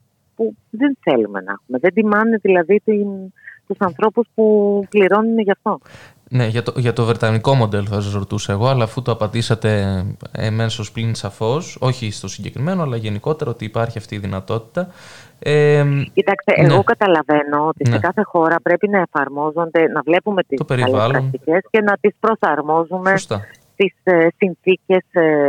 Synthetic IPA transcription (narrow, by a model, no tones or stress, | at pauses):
pu | ðenθe̞lume̞̰nɐ̰xumeðed̪imɐnneðilɐðit̪int̪usɐnθɾo̞puspupliɾo̞nuneʝɐft̪o̞ | ne̞ʝɐt̪oʝɐt̪o̞vɾet̪ɐniko̞mo̞d̪e̞loθɐs̬zɾot̪usɐeɣo̞ɐlɐːfut̪oɐpɐd̪isɐt̪e̞ḛme̞so̞splinsɐfo̞so̞çist̪o̞siɲɟe̞kɾime̞noɐlɐʝe̞niko̞t̪e̞ɾɐot̪iːpɐɾçiɐft̪iːðinɐt̪o̞t̪i̥t̪ɐ | ecit̪ɐkst̪eʔenɣo̞kɐt̪ɐlɐve̞no̞ot̪insekɐθe̞xo̞ɾɐpɾe̞pinɐe̞fɐɾmo̞zo̞nd̪e̞nɐvle̞pume̞t̪ist̪ope̞ɾiɐlevɐlɾɐnt̪ice̞scenɐt̪ispɾo̞sɐɾmo̞zume̞st̪ɐst̪issinθice̞s